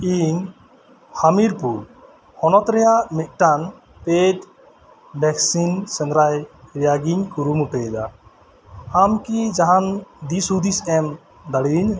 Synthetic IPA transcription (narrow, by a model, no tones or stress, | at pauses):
iɲ | hamiɾpul | hɔnɔt̪ɾɛjaʔmɛt̪̚ˀʈan | pet | bɛksinsɛnɾajɾijaɡiɲkuɾumuʈɛd̪a̰ | amkid͡ʒaɦand̪isud̪isɛm | d̪aɽiɾiɲ